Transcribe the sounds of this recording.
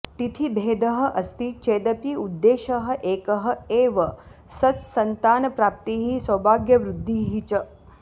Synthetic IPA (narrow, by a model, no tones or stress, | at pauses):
t̪it̪ʰibʱeːd̪ɐɦɐ̆ʔɐst̪it͡ʃeːd̪ɐpiud̪ːeːʃɐɦɐ̆ʔeːkɐɦɐ̆eːʋɐ | sɐt̪sɐnt̪aːnɐpɾaːp̚t̪iːɦisɐbʱaːɡjɐʋɾud̪ʱːiːɦit͡ʃɐ